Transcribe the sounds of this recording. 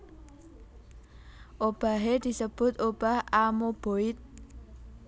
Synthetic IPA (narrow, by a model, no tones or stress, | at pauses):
ʔob̥a̤ɦed̪̥i̤səb̥ʊ̤t̪ob̥a̤hamob̥oɪt̪̚